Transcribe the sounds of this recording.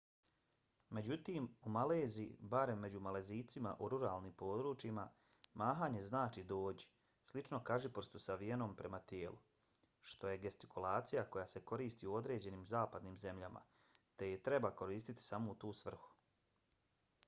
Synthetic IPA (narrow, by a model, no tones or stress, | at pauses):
me̞d͡ʑut̪iːmumaleːzibaɾe̞mːe̞d͡ʑumale̞ziːt̪sima̰ʔuɾuɾaːlnimpo̞ːd̪ɾut͡ʃima | maːɦaːɲe̞znaːt͡ʃid̪o̞ːd͡ʑi | slit͡ʃno̞kaʒipoɾst̪usaʋije̞no̞mpɾe̞mat̪jeːlˠu | ʃt̪o̞je̞ɡest̪i̥kulˠaːt̪sijako̞jase̞ko̞ɾiːst̪iuo̞d̪ɾe̞ːd͡ʑe̞niːmzaːpad̪niːmze̞mʎama̰ | t̪e̞jet̪ɾe̞bako̞ɾiːst̪it̪i̥samo̞ut̪uːsʋr̩xu̥